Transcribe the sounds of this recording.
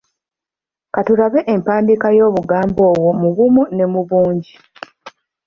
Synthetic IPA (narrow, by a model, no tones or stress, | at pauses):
katuɾaβe̞ʔempaːndikajo̞ːβuɡaːmbo̞ːwomuβumune̞muβuːɲɟi